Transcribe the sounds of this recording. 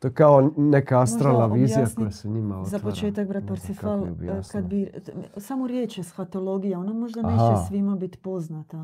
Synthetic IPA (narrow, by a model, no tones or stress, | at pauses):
t̪okaonekaast̪ɾalaʋiːzijakojasɛɲimaozapot͡ʃe̞ːt̪ak̚bɾat̪̚poɾsefalˠkad̪̚bisamoɾjeːt͡ʃjesfat̪o̞lo̞ɡijao̞namo̞ʒd̪anet͡ʃesʋimabit̪po̞znat̪a